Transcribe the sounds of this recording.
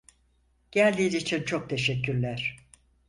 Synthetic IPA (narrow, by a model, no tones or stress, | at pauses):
ɟ̥ælʲd̪iːnit͡ʃʰint͡ʃʰo̞k̚t̪ʰe̞ʃɛkʰːyɾlʲæɾ̥